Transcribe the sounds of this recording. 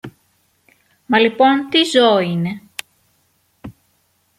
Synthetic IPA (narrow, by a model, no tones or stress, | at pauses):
mɐlipo̞nt̪izo̞ine̞